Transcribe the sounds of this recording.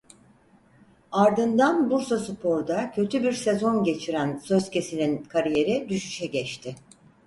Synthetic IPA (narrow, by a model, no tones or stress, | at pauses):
aɾd̪ɯnd̪anbuɾsasɯpʰo̞ɾd̪acʰø̞t̪ʰybiɾse̞zo̞nɟe̞t͡ʃʰiɾænsøzce̞sininkʰaɾije̞ɾid̪yʃy̥ʃɛɟɛt͡ʃt̪ʰɪ